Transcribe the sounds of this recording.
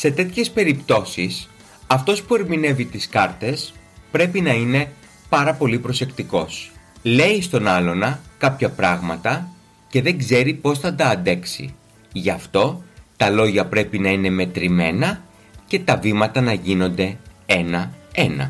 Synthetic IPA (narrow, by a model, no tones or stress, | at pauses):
se̞t̪et̪çe̞spe̞ɾipt̪o̞sis | ɐft̪o̞spue̞ɾmine̞vit̪iskɐɾt̪e̞s | pɾe̞pinɐine̞ | pɐɾɐpo̞lipɾo̞se̞kt̪iko̞sle̞ist̪o̞nɐlo̞nɐkɐpçɐpɾɐɣmɐt̪ɐ | ce̞ðe̞ŋɡze̞ɾipo̞sθɐd̪ɐːnd̪e̞ksḭ | ʝɐft̪o̞t̪ɐlo̞ʝɐpɾe̞pinɐine̞me̞t̪ɾime̞nɐ | ce̞t̪ɐvimɐt̪ɐnɐʝino̞nd̪e̞e̞nɐenɐ̰